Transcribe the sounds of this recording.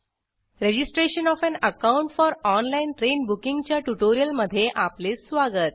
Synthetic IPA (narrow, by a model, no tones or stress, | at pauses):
ɾed͡ʑisʈɾeɕənɔfɛ̃nəkauɳʈfɔɾɔnlainʈɾenbukiŋɡt͡ɕjaʈuʈoɾijəlməd̪ʱːjeʔaplesʋaɡət̪̚